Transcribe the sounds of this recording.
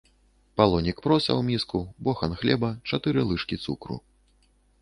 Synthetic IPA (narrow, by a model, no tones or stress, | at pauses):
palˠɔnʲikpɾɔsʲɐ̰wmʲiskubɔxɐnxlʲɛbɐt͡ʂat̪ɨɾɨlˠɨʂkʲit̪sukɾṵ